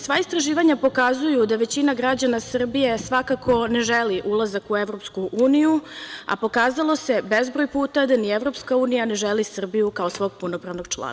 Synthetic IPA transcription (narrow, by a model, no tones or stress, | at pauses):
sʋaist̪ɾaʒiːʋaɲapo̞kazujud̪aʋe̞t͡ɕinaɡɾad͡ʑanasr̩bije̞sʋakakʰo̞ne̞ʒeliʔulˠazakueʋɾo̞pskuʔuːnijua̰po̞kaːzalˠo̞se̞be̞zbɾojpuːt̪ad̪anievɾo̞pskauːnijane̞ʒelisr̩bijukaosʋo̞ːɡ̚punopɾaʋno̞ɡ̥t͡ʃlˠa̰ːn